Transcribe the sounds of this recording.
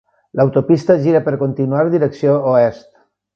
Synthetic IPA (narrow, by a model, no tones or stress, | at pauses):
lawt̪opist̪əʒiɾəpəɾkont̪inuaɾðiɾəksiooɛst̪